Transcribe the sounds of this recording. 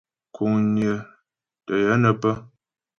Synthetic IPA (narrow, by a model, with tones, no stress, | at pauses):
kʰu˨ŋnjə˨ | tə˨jə˨˦nə˨pə˦